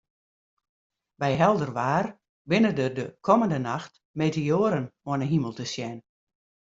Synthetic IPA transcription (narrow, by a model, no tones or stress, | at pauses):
bɛjɦɛlˠdərʋaːr | bɪnədədəkʰɔməndənaxt | meːteoːɾənoənəɦiməlˠtəsjɛn